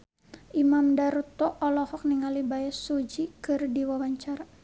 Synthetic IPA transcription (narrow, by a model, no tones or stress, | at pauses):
ʔimamdaɾut̪ɔɔlɔhɔk̚niŋalibajasud͡ʒikɨrdiwawaɲt͡ʃaɾa